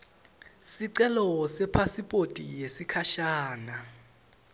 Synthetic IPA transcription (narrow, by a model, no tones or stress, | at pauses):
siǀɛlɔsɛpʰasipʼotʼḭjesikʰaʃaːna